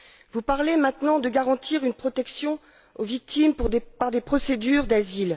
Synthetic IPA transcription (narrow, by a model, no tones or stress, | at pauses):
vupaʁlemɛ̃t̪nɑ̃d̪əɡaʁɑ̃t̪iʁynpχɔt̪ɛksjɔ̃ | ovik̚t̪impaʁd̪epχɔsed̪yʁd̪azil